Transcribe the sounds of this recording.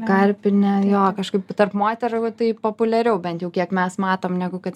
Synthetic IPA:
kɐɾʲpʲɪnʲɛjoːkɐʃkɐɪpt̪ɐrpmoːt̪ʲɛɾot̪ɐɪpoːpʊlʲɛɾʲɛʊbʲɛnt̪jɛʊkʲiɛkmʲɛsmɑːt̪oːmnʲæːɡʊkɐt̪

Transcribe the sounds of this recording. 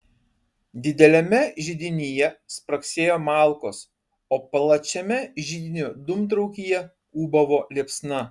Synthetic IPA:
d̪ʲɪd̪ʲɛlʲɛmʲɛʒʲɪd̪ʲɪnʲiːjɛspɾɐksʲeːjoːmɑːˑlˠkoːs | oːplˠɐt͡ʃʲɛmʲɛʒʲid̪ʲɪnʲud̪ʊmt̪̬ɾɔʊkʲijɛ | uːbɐʋoːlʲeːpsnɐ

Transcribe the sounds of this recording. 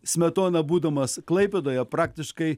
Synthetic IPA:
sʲmʲɛt̪oːnɐbuːd̪ɐmɐsklˠɐɪpʲɛd̪oːjɛpɾɑːk̚t̪ʲɪʃkɐɪ

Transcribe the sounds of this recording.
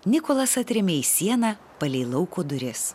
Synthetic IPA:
nʲɪkoːlˠɐsɐt̪ʲɾʲɪmʲeːisʲiɛnɐ | pɐlʲɛɪlˠɐʊkoːd̪ʊɾʲɪs

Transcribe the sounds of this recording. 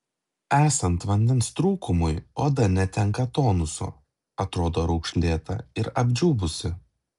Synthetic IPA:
æːsɐnt̪ʋɐnʲd̪ʲɛnst̪ɾuːkʊmʊjoːd̪ɐɾnʲɛt̪ʲɛŋkɐt̪oːnʊso̰ː | ɐt̪ɾoːd̪oːɾɐʊkʃʲlʲeːt̪ɐ̰ɪɾɐbʲd͡ʒʲuːbʊsʲɪ

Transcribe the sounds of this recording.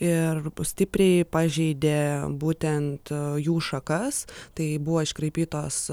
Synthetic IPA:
ɪrsʲt̪ʲɪpʲɾʲɛɪpɑːʒʲɛɪd̪ʲeːbuːt̪ʲɛnt̪juːʃɐkɐst̪ɐɪbʊʋoːɪʃkɾɐɪpʲiːt̪oːs

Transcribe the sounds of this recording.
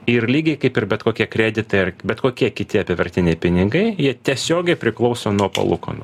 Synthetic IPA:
ɪrlʲiːɡʲɛɪkɐɪpɪrbʲɛt̪koːkʲiɛkɾʲæːd̪ʲɪt̪ɐɪɐrbʲɛt̪koːkʲiɛkʲɪt̪ʲɪɐpʲɪʋɐɾʲt̪ʲɪnʲɛɪpʲɪnʲɪɡɐɪjiɛt̪ʲiɛsʲoːɡʲɛɪpʲɾʲɪklˠɒʊsoːnuɔpɐ̰lˠʊ̰kɐ̰noː

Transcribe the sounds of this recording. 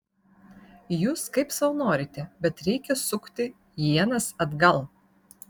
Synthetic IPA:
juːskɐɪpsɐnoːɾʲɪt̪ʲɛbʲɛt̪ɾʲɛɪkʲɛsʊkt̪ʲɪ | jiɛnɐsɐd̪ɡɐlˠ

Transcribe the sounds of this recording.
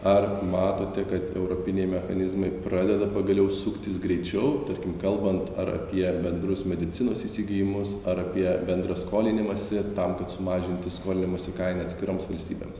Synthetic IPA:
ɐrmɑːt̪oːt̪ʲɛkɐt̪ɛ̰ʊɾoːpʲɪnʲɛjmʲɛxɐnʲɪzmɐɪpɾɑːd̪ʲɛd̪ɐpɐɡɐlʲɛʊsʊkt̪ʲɪsɡɾʲɛɪt͡ʃʲɛʊt̪ɐɾʲkʲɪmkɐlˠbɐnt̪ɐɾɐ̰pʲiɛbʲɛnd̪ɾʊsmʲɛd̪ʲɪt̪sʲɪnoːsiːsʲiːɡʲɪjɪmʊsɐɾɐpʲiɛbʲɛnd̪ɾɐskoːlʲɪnʲɪmɐsʲɪt̪ɐmkɐt̪sʊmɑːʒʲɪnʲt̪ʲɪskoːlʲɪnʲɪmoːsʲɪkɐɪnɐt̪ʲsʲkʲɪɾoːmsʋɐlʲsʲt̪ʲiːbʲḛːms

